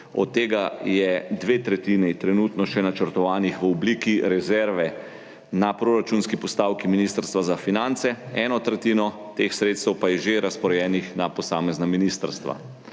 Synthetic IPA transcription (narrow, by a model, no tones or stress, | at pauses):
ɔ̰t̪ːeːɡajɛd̪ʋet̪ɾɛt̪iːnit̪ɾɛnuːt̪nɔʃɛnat͡ʃəɾt̪ɔʋaːnixʋəɔbliːkiɾɛzɛɾʋɛ | napɾoːɾat͡ʃunskipɔst̪awkiminiːst̪əɾst̪ʋazafinant̪sɛɛːnɔt̪ɾɛt̪iːnɔ | t̪exsɾeːt̪st̪ɛwpajɛʒeɾaspɔɾɛjɛːnixnapɔsaːmɛznaminiːst̪əɾst̪ʋa̰